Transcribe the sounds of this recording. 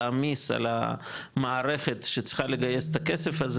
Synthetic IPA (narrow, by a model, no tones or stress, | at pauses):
amisa̰la̰maːʁe̞χe̞t̪ʃet͡sχaleɡajest̪akesefaz